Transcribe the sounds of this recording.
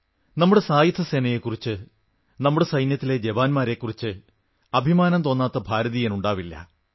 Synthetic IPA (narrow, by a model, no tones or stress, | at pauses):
nɐmːuɽe̞saːjɐt̪ʰːɐse̞ːnɐjekːurit͡ɕːɨ | nɐmːuɽe̞sɐjnjɐt̪ːile̞d͡ʑebaːnmaːɾe̞kːurit͡ɕːɨ | ɐbʱimaːnɐmt̪o̞ːnːaːt̪ːɐbʱaːɾɐðijenuɳɖaːʋilːɐ̰